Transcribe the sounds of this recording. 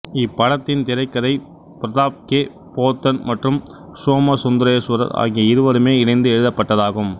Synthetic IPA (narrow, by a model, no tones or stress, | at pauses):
ɪpːɐɽɐt̪ːɪnt̪ɪɾɐɪkːɐðɐɪ | pɪɾɐðaːp̚keː | poːt̪ːɐnmɐʈrɯm | soːmɐsʊnd̪ɪɾɐjɐsʊɾɐ̰ɾa̰ːɣijɐɪɾɯʋɐɾɯmeːɪnɐɪnd̪ɯɛɻɯðɐpːɐʈːɐðaːɣɯm